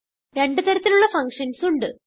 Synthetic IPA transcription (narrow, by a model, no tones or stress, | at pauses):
ɾe̞ɳɖɨt̪ɐɾɐt̪ːiluɭːɐfɐŋkʂɐnsuɳɖɨ